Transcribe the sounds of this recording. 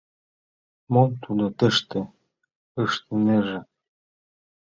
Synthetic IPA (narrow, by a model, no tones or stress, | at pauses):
momt̪ʰud̪ot̪ə̆ʃt̪e | əʃt̪ə̆neʒĕ